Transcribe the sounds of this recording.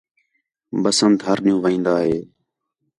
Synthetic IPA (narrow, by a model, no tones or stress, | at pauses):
bəsənt̪ɦəɾnɪjũːʋəĩːnd̪aːɦeː